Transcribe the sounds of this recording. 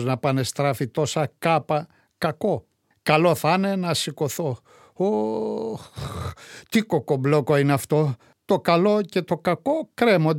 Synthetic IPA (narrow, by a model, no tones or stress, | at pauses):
znɐpɐne̞st̪ɾɐfit̪o̞sɐkɐpɐ | kɐko̞ | kɐlo̞θɐne̞nɐsiko̞θo̞ | o | t̪ikokoblokoineɐft̪o̞ | t̪o̞kɐlo̞ce̞t̪o̞kɐko̞kɾe̞mond̪